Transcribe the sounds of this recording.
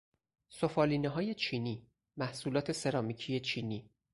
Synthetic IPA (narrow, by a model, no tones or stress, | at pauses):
sofɒːliːneɦɒːje̞t͡ʃʰiːniː | mæhsuːlɒːt̪ʰe̞se̞ɾɒːmicʰije̞t͡ʃʰiːniː